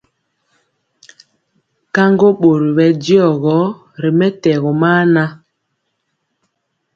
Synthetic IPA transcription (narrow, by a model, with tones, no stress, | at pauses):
ka˦ŋɡo˦ɓo˨ɾi˨ɓɛ˨di˦ɔ˨ɣɔ˨˦ | ɾi˨mɛ˦tɛ˨ɣɔ˨maː˦na˦